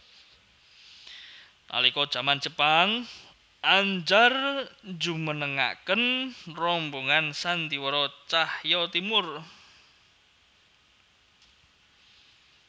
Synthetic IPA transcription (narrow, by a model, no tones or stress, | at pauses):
na̰likɔd̥ʒ̥a̤man̥d͡ʒ̥əpaŋ | ʔaɲd͡ʒard͡ʒumənəŋa̰kənrɔmboŋansant̪iwɔɾɔt͡ʃahjɔt̪imʊr